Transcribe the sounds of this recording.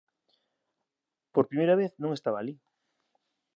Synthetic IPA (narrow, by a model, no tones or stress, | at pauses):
poɾpɾimejɾaβeθnõŋest̪aβaːli